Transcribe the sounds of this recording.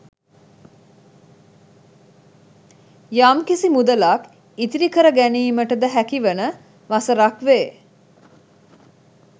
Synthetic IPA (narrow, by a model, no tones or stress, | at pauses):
jamkisimud̪əlak | it̪iɾikəɾəɡæniːməʈəd̪əɦækiʋənə | ʋasəɾakʋeː